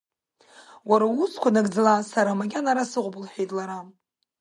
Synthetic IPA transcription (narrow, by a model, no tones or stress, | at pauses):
waɾauskʷʰanaɡd͡zalasaɾamaɡʲanaɾasɨqʷblħejtʼlaɾa